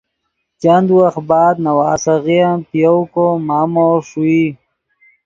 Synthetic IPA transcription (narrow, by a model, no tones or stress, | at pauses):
t͡ʃand̪uwaxbaːd̪̚nawaːsaɣijanpjowkomaːmoʂui